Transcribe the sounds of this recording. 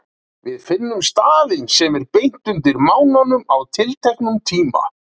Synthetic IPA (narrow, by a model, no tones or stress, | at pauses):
vɪðfɪnːʏmst̪aːlɪnsɛmɛɾpejn̥t̪ʏnt̪ɪɾmaːwnanʏmawt̪ʰɪlt̪ʰɛhknʏmt̪ʰiːma̰